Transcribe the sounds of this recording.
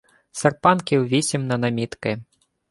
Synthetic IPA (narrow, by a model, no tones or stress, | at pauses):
sɐrpankʲiwvʲisʲimnɐnamʲit̪kɐj